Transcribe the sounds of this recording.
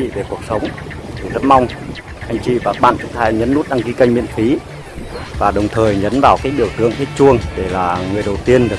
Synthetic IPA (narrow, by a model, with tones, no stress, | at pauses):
ḭ˧˨ve˨˩ku˨˩ək̚sə˨˦wŋ͡m | t̪ʰi˨˩zə˦˥p̚ma˧wŋ͡m | ʔa˧jŋ̟t͡ɕḭ˧˨vaː˨˩ɓa̰ː˧˨nt͡ɕɨ̰˧˥khaː˧jɲə˨˦nːu˦˥t̚ɗa˧ŋki˨˦ka˧ŋmḭ˧˨ənfi˨˦ | vaː˨˩ɗə˨˩wŋ͡mt̪ʰəː˨˩jɲə˨˦nvaː˨˩wkaː˨˦jɓi˧˩əwt̪ɨ̰˧˨əŋt̪ʰi˦˥t̚t͡ɕu˧əŋɗe˧˩laː˨˩ŋɨ˨˩əjɗə˨˩wt̪i˧ənɗɨ˨˩ə˩